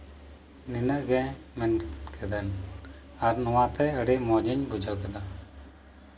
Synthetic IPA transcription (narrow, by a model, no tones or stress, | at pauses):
ninəʔɡɛ̃ | mɛnkʰɛd̪ən | aɾnɔwãt̪ɛəɽemɔd͡ʒəɲbud͡ʒʱawkɛd̪a